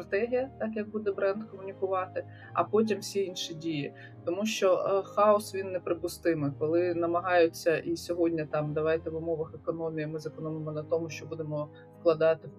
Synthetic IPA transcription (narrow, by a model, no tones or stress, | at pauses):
ɾɐt̪ɛɦʲijɐt̪ɑkjɐk̚bud̪ɛbɾɛnd̪kɔmʊnʲikʊʋɑt̪ɪ | ɐ̰pɔt̬ʲimsʲiinʃidʲiji | t̪ɔmuʃt͡ʃɔxɑɔsʋʲinːɛpɾɪpʊst̪ɪmɪkɔlˠɪnɐmɐɦɑjʊt͡sʲːɐʔisʲɔɦɔdʲnʲɐt̪ɑmd̪ɐʋɑjt̪ɛʋʊmɔʋɐxekɔnɔmʲijimɪzɐkɔnɔmɪmɔnɐt̪ɔmʊʃt͡ʃɔbud̪emɔ | wklˠɐd̪ɑt̪ɪ